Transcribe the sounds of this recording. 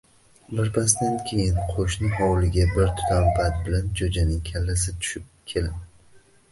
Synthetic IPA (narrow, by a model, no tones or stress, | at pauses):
bɪɾpʰast̪ankʲʰe̞jɪnqʰoʃnɪɦɒwlɪɡʲabɪɾt̪ʰʊ̥t̪ʰambat̪̚bɪland͡ʒod͡ʒanɪŋkʲʰalːasɪt̪ʰʊ̥ʃɪp̚kʲʰe̞lɪm